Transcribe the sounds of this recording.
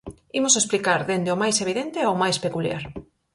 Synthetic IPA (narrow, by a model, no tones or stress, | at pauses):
imʊsesplikaɾðend̪ɪomajseβ̞iðent̪ɪawmajspekulja̰ɾ